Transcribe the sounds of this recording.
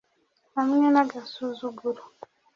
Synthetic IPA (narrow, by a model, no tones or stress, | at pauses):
amiɲanaɡasuzuɡulu